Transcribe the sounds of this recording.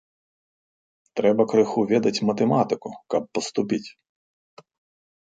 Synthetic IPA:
t̪ɾɛbɐkɾɪxuʋʲɛd̪ɐtʲmɐt̪emɑt̪ɪkʊkɐp̚ːɔst̪ʊpʲitʲ

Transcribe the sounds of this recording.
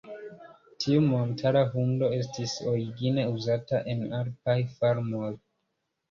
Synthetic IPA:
tʰiumo̞ntʰaɾaɦundo̞e̞s̬tiso̞ɾiɡine̞uzataʔe̞naɾpajfaɾmoj

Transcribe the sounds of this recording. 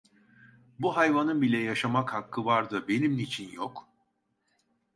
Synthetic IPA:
buɦajvanɯmbilʲɛjaʃamakhakʰːɯvaɾd̪ɯbe̞nimnit͡ʃʰinjok

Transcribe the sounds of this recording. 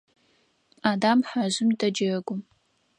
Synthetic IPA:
aːdamħaʑɪmdɐd͡ʒɐɡʷʊm

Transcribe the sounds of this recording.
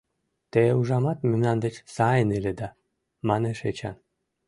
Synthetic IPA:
t̪euʒɑmɑt̪memnɑnd̪et͡ɕsɑjəneled̪ɑ | mɑneʃet͡ɕɑ̰n

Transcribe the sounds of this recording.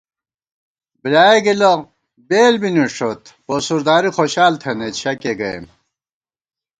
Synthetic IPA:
bilaːeɡilɐ | beːlbiniʂot̪ | posuɾd̪aːɾixoɕaːlt̪ʰɐnet̪ɕʰɐkeɡɐḛm

